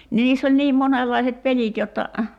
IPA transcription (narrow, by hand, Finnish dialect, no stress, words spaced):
ni niːsː olʲ niːm monelːɑiset pelit jotːɑ